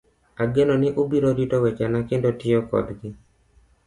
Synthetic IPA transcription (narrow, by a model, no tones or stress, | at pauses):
aɡenonɪʔobiɾoɾitowɛt͡ʃanakɪndotɪɔkɔ̰d̪ɡɪ